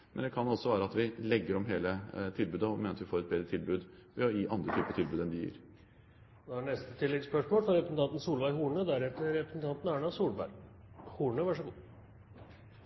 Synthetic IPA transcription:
mʔɛnd̪ɛkʰɑnɔsːɔʋæːɾəɑt̪ʋɪlɛɡːəɾɔmɦeːlət̪ʰɪlbʉːd̪əɔmeːnəɑt̪ʋɪfoːɾɛt̪̚beːd̪ɾət̪ʰɪlbʉːd̪ɔjiʔɑnd̪ɾət̪ʰyːpət̪ʰɪlbʉːd̪ɛnd̪ɪjḭːɾ | d̪ɔæɳɛst̪ət̪ʰɪlːɛɡspœʂmoːlfɾɔɾɛpɾsn̩t̪ɑnt̪n̩suːlʋæɪɦuːɳəd̪æɾɛt̪ːəɾɛpɾəsn̩t̪ɑnt̪n̩æːɳɑsuːlbæ̰ɾhuːɳəʋɑʂəɡuː

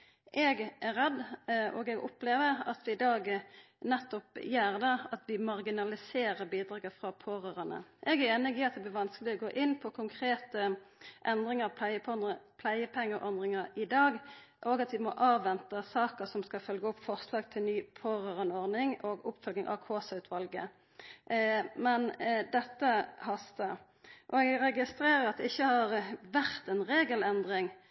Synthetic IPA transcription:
ʔɛːɡʔæʁɛd̪ːʔoːɡɛɡʊ̰pleːʋəʁɑt̪ʋɪɪd̪ɑːɡ | nɛt̪ːɔpjæːʁd̪ɑɑt̪ʋɪmɑʁɡɪnɑlɪseːɾəbiːd̪ɾʁɑːɡəfʁɑpʰoːɾøːɾənə̰ʔɛɡæɾeːnɪɡiːɑt̪̚d̪ɛblɪʋɑnskəlɪɔɡoːʔɪnːpʰɔkʰʊŋkʰʁeːt̪əʔɛnd̪ʁɪŋəʁ | pʰlæɪəpʰɛŋːəʔɔnd̪ʁɪŋəɾɪd̪ɑːɡ | ʔɔɡɑt̪ʋɪmɔ̰ʔɑːʋʋɛnt̪əsɑːkəsɔmskɑfœlɡəʊpːfɔʁslɑːɡ̚t̪ʰɪlnyːpʰoːʁøːʁənɔʁnɪŋoɡʊpːfœlɡ̪ɪŋʔɑ̰ʋkʰoːsɑʉt̪ʰʋɑlɡə̰ | mɛnd̪ɛt̪ːəhɑst̪ə | ʔɔɛɡɡɾɛɡɪst̪ɾeːʁəɾɑt̪̚d̪ɛɪçːəhɑʁʋæʁt̪ɛnʁeːɡəlɛnd̪ʁɪŋ

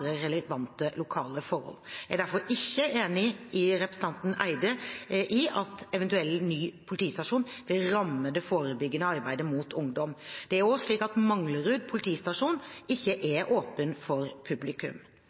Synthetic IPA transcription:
ɾəɾɛləʋɑnt̪əlʊkʰɑːləfɔɾhɔ̰ljæɪd̪æɾfɔɾɪçːəʔeːnɪɪɾɛpɾəsən̩t̪ɑnt̪n̩æ̰ɪd̪əʔɪɑt̪ɛʋɛnt̪ʉɛlːnyːpʰʊlɪt̪ʰiːst̪ɑʂuːnʋɪlɾɑmːəd̪ɛfoːɾəbʏɡːənəɑɾbæɪd̪əmut̪ʰʊŋd̪ɔmd̪̥ɛæɾoːʂɭiːkɑt̪mɑŋləɾʉːd̪̚pʰʊlɪt̪ʰiːst̪ɑʂuːnɪçːəʔɛɾʔoːpənfɔɾpʰʉblɪkʉ̰m

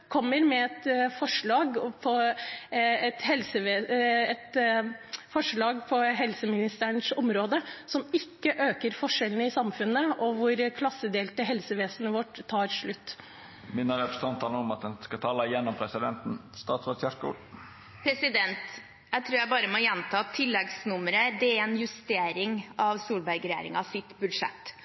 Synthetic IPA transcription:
kʰɔmːəɾmɛɛt̪fɔʂɭɑːɡpʰɔ | ɛt̪hɛlsəʋeːɛt̪ | fɔʂɭɑːɡpʰɔɦɛlsəmɪnɪst̪əəɳsɔmɾoːd̪əsɔmɪkːəʔøːkəɾfɔʂɛlənəɪsɑmfʉnːəɔʋʊɾkʰlɑsːəd̪eːlt̪əɦɛlsəʋeːsənəʋɔʈːt̪ʰːɑːɾʂɭʉt̪ː | mɪnːəɾɛpɾə̥st̪ʰɑnt̪ʰɑːlɔmɑt̪̚d̪ɛnskɑt̪ʰɑːləjɛnːɔmpʰɾɛsɪd̪ɛnt̪n̩st̪ɑːt̪sʋɔsæʂkṵːl | pʰɾɛsɪd̪ɛnt̪ | d̪æɪt̪ʰɾuːjæɪbɑːɾəmɔjɛnt̪ʰɑːt̪ʰːɪlːɛɡsnʉməɾəd̪ɛæɾɛnjʉst̪eːɾɪŋɑʋsuːlbæɾɡɾɛjḛːɾɪ̰ŋɑsɪt̪bʉd̪ʂɛ̰t̪ː

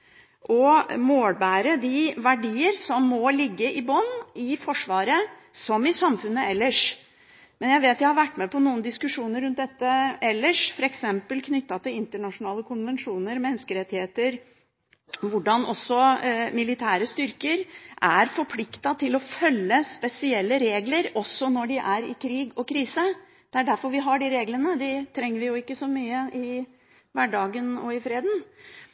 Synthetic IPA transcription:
ʔɔmoːlbæːɾəd̪ɪʋæɖiːəɾsɔmːɔlɪɡːəʔɪbɔnːɪfɔʂʋɑːɾəsɔmɪsɑmfʉnːəɛlːəʂ | mɛnjæɪʋeːt̪jæɪhɑɾʋæʈːmɛpʰɔnuːənd̪ɪskʉʂuːnəɾːʉnt̪̚d̪ɛt̪ːəɛlːəʂfɔɾɛksɛmpəlkʰnʏt̪ːɑt̪ɪlɪnt̪əɳɑʂʊnɑːləkʰʊnʋɛnʂuːnəɾmɛnːəskəɾɛt̪ːɪheːt̪əɾ | ʋʊɖɑnʔɔsːɔmɪlɪt̪ʰæːɾəst̪ʏɾkəɾʔæɾfɔɾpʰlɪkt̪ɑt̪ʰɪlɔfœlːəspɛsɪɛlːəɾeːɡləɾɔsːɔnɔɖɪʔæɾɪ̰kʰɾiːɡɔkʰɾiːsə | d̪̥ɛæɖæɾfɔɾʋɪɦɑɖɪɾeːɡlənəd̪ɪt̪ʰɾɛŋːəɾʋɪjʊɪkːəsɔmyːəʔɪ | ʋæɖɑːɡənɔɪfɾeːd̪n̩

